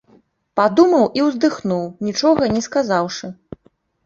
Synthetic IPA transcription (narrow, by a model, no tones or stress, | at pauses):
pad̪umɐwʔiwzd̪ɨxnuwnʲit͡ʂɔɣɐnʲɛskazawʂɨ